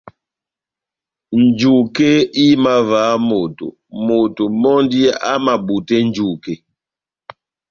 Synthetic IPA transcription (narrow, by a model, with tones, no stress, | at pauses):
n̩˨d͡ʒu˨ke˦i˦ma˨vaː˨˦mo˨to̰˨ | mo˨to˨mɔ˦ndi˦a˦ma˨bu˨te˦n̩˦d͡ʒu˦˨ke˨